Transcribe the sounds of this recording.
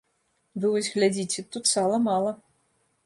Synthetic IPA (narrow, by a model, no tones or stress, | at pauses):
vɨvɔsʲɣlʲad͡zʲit͡sʲɛt̪ut̪salˠɐmalˠɐ